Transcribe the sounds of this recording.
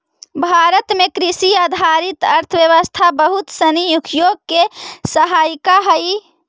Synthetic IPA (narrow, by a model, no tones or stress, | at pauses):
bʱaɾət̪mekɾisiad̪ʱaɾit̪əɾt̪ʰəʋjəʋəst̪ʰabəɦut̪sənjukʰjoɡ̚kesəɦajkaɦəj